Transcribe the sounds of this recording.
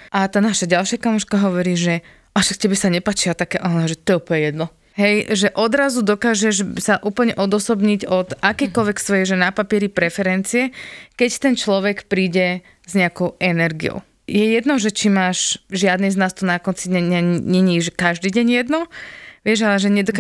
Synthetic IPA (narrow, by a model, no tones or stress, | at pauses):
ʔat̪aːnaʃaɟalʃɪakamɔʃkaɦɔʋɔɾiːʒɛ | ʔaʃakcɛbɛsaɲɛpaːt͡ʃilat̪akɛːʔanɔʒɛt̪ɔɛjɛuːpəlɲɛjɛd̪nɔ | ɦɛjʒɛʔɔd̪ɾazud̪ɔkaːʒɛʃsaʔuːpl̩ɲɛʔɔd̪ɔsɔbɲiɟɔd̪akɛjkɔlʋɛksʋɔjɛʒɛnapapɪɛɾipɾɛfɛɾɛnt͡siɛkɛct̪ɛnt͡ʃlɔʋɛkpɾiːɟɛ | zɲɛakɔʊɛnɛɾɡḭjɔ̰ʊ | jɛjɛd̪nɔʒɛt͡ʃimaːʒʒɪad̪niznaːst̪ɔnakɔnt͡sid̪ɲɛaɲɛɲiːʒɛkaʒd̪iːɟɛɲjɛd̪nɔʋɪɛʒalɛʒɛɲɛd̪ɔk